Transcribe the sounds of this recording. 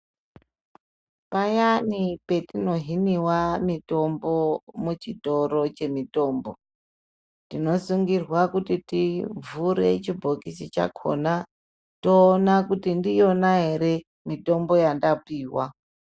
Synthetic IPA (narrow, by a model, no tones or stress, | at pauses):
pajanipe̞tino̞ɦiniwamito̞mbo̞mut͡ʃito̞ɾo̞t͡ʃe̞mito̞ːmbo̞ | tino̞suŋɡirwakutitivuɾe̞̰t͡ʃibʱokisit͡ʃa̰kʰo̞na | toːnakutindijo̞naɦe̞ɾe̞ | mito̞mbo̞jandapiːwa